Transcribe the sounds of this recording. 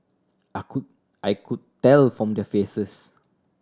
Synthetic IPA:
aku | ʔajkʰud̚tɛlfɹɔ̃mdɛfesəs

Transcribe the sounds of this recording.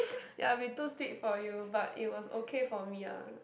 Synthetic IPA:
ja̰witustikfɔjubatḭt̚wɔso̰kʰefɔmia̰

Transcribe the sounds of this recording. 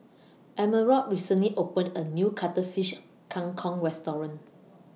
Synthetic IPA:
ʔɛməɹɔt̚ɹisə̃nliʔopə̃nənjukʰatəfiʃ | kʰãŋkʰɔ̃ŋɹɛstɔɹə̃n

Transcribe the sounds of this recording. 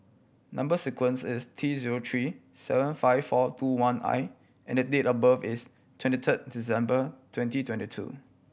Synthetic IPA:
nãmbəsikwə̃nsɪstʰɹiziɹotʰɹisɛ̰və̃nfaɪffɔtʰuwãnʔa̰ɪ | ʔɛ̰̃ndədetəbavɪs | tʰwɛ̃ntitʰət̚disɛ̃mbətʰwɛ̃ntitʰwɛ̃ntitʰṵ

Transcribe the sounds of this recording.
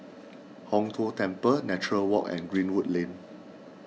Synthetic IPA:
hɔ̃ŋtʰuətɛ̃mpənɛt͡ʃuɹəlwɔkɛ̰̃nɡɹĩnwutlẽn

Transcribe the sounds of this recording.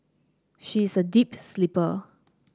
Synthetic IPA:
ʃisədipslipə

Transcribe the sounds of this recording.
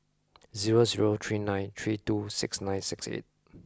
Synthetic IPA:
ziɹoziɹot̪ʰɹinãjnt̪ʰɹitusɪ̰ksnãj̃nsɪksḛt̚

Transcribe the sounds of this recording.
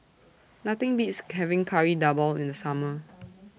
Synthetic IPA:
nat̪ɪ̃ŋbitshɛvɪ̃ŋkʰaɹidabəlĩndəsamə

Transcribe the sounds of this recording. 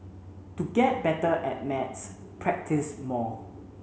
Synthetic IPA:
tuɡɛt̚bɛtəʔɛt̚mɛts | pʰɹɛk̚tʰismɔ

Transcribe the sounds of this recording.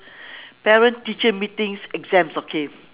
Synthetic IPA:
pɛɹə̃ntit͡ʃəmitĩŋsɛɡzɛ̃msokʰe

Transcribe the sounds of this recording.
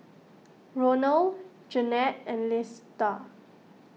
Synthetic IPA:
ɹonəl | d͡ʒənɛt̚ɛ̃nlɪsta

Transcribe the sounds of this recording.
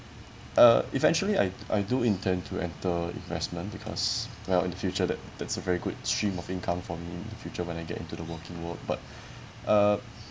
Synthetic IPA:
ʔʌivɛ̃nt͡ʃuəlia̰jʔa̰ɪduĩntʰɛ̃ntʰuɛ̰̃ntəḭ̃nvɛsmə̃nbikʰɔ̰s | wɛlḭ̃ndəfjut͡ʃədɛt̚d̥ɛtsəvɛɹiɡʊd̚stɹĩmɔfĩnkʰãmfɔmiɪ̃ndəfjut͡ʃəwɛ̃naɪɡɛ̰tḭ̃ntudəwəkɪ̃ŋwək̚ba̰t̚ | ʔʌ

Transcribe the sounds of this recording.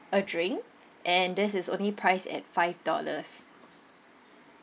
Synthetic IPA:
ədɹɪ̃ŋ | ʔɛ̃ndɪsɪsõ̰nlipʰɹaɪsɛ̰t̚faɪvdɔ̰lə̰s

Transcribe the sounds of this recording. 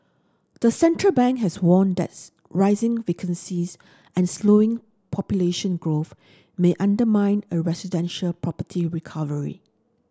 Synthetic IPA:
d̪̥əsɛ̃ntɹəlbɛ̃ŋkɦɛswɔ̃nd̪ɛ̰t̚ | ɹaɪzɪ̃ŋvekʰə̃nsiz | ɛ̃nsloɪ̃ŋ | pʰɔpjuleʃə̃nɡɹoθ | meʔãndəmãɪ̃nəɹɛsidɛ̃nʃəlpʰɹɔpətʰiɹikʰavəɹḭ

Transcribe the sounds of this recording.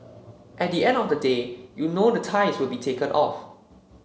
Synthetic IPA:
ʔɛt̚diɛ̃ndɔfdədejunodətʰaɪswɪlbitʰekə̃nʔɔ̰f

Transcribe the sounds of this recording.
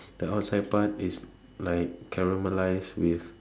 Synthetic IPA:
d̥əaʊt̚sajd̚patis | laɪkʰːɛɹiməlajswiθ

